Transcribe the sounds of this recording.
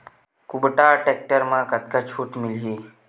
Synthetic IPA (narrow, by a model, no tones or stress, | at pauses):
kubʈaʈek̚ʈəɾmãkət̪kət͡ɕʰuːʈmilɦi